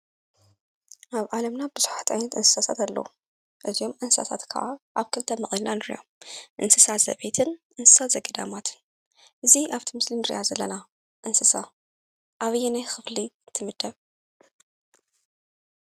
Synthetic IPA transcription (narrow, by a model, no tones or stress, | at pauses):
ʔaβʕalɐmnabɨzuħat̪ʔa̰jnɐt̪ɨnsɨ̥sasʰa̰t̪alːɐ̰u | ʔɨzio̞mʔɨnsɨsa̰sʰa̰t̪kʰɐ̰ʕaʔaβkʰɨlt̪ʰɐmɨχʼilnanɨɾjomʔɨnsɨsaz̥ɐ̰βet̪ʰɨnʔɨnsɨ̥sat̪zɐɡɐd̪a̰mat̪ʰɨn | ʔɨziʔaβt̪ʰimɨslinɨɾɨ̰ʔazɐlːɐna | ʔɨnsɨsa | ʔaβɨjːɛnajxɨfliɨt̪ʰɨmɨd̪ːɐβ